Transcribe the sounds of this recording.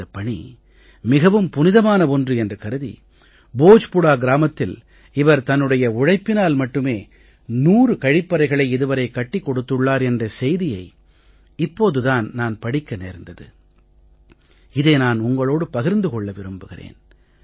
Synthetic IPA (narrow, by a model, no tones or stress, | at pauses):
ɐpːɐɳḭ | mɪɣɐʋɯmpʊnɪðɐmaːnɐɔndrɯɛndrɐkɐɾɯðḭ | boːd͡ʒpʊɽaːɡɪɾaːmɐt̪ːɪl | ɪʋɐɾt̪ɐnːɯɽɐjɐʊɻɐɪpːɪnaːlmɐʈːɯmeː | nuːrɯkɐɻɪpːɐɾɐɪɣɐɭɐɪɪðɯʋɐɾɐɪkːɐʈːɪkːɔɽɯt̪ːɯɭːaːɾɛndrɐsɛjðɪjɐɪ | ɪpːoːðɯðaːnnaːnpɐɽɪkːɐnḛːɾnd̪ɐðɯ̰ | ɪðeːnaːnʊŋɡɐɭoːɽɯpɐɣɪɾnd̪ɯkɔɭːɐʋɪɾɯmbɯɣɪrḛːn